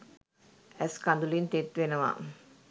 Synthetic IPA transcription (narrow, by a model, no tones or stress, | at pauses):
æskand̪ulint̪et̪ʋenəʋa̰